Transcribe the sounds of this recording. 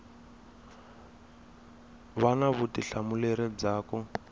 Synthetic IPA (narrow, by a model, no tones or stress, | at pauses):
βanaβutiɬamulɛɾɛb͡ʐaːkɔ